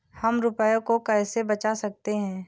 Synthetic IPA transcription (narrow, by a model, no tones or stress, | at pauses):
hɐmɾʊpəjõkokɛːsebɐt͡ʃasɐk̚t̪eɦɛ̃ː